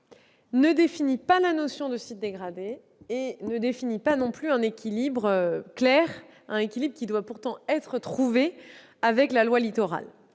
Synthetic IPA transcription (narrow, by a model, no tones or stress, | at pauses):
nəd̪efinipalanosjɔ̃d̪əsit̪̚d̪eɡʁad̪e | enəd̪efinipanɔ̃plyɛ̃nekʲilibʁøklɛʁ | ɛ̃nekʲilibʁəkʲid̪wapuʁt̪ɑ̃ɛt̪χət̪χuve | avɛklalwalit̪ɔʁa̰l